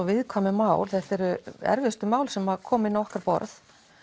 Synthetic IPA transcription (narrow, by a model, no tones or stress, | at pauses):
ɔvɪðkʰvamɪmaːwlθɛht̪ɛɾʏɛ̰ɾvɪst̪ʏmaːwlsɛmakʰɔːmɪnːaɔhkaɾpɔ̰ɾθ